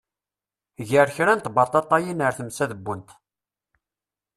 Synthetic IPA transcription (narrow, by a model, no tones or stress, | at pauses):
ʝəɾçɾænt̪bɑɾt̪ˤːɑt̪ˤːɑjinəɾθəmsæðəbːənt̪